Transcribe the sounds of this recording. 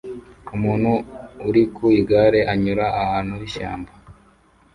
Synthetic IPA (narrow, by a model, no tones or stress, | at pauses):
umuːn̤̥huːɾikuiɡaɾe̞aɲuɾaːhaːnuhiʃa̰ːmba